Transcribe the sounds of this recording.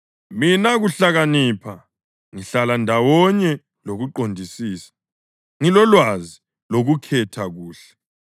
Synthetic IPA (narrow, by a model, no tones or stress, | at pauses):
minaɣuɬaɣanipʰa | ŋiɬalandʱawɔɲɛ | loɣuǃondʱisiːsḁ | ŋilɔlwazi | loɣukʰɛtʰaɣuːɬɛ̥